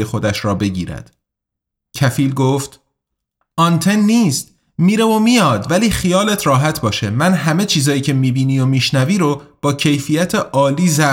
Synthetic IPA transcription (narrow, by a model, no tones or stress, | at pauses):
jexo̞d̪æʃɾɒːbe̞ɟiːɾæ̰d̪̥ | cʰæfiːlɡoːft̪ | ɒːnt̪ʰe̞nːiːst̪ | miːɾe̞vomijɒːd̪væliːxijɒːlet̪ʰɾɒːɦæt̪ʰbɒːʃe̞mænɦæme̞t͡ʃʰiːzɒːjiːcʰe̞miːbiːniːo̞miːʃnæviːɾob̥ɒːcʰe̞jfijæt̪ʰeʔɒːliːzæ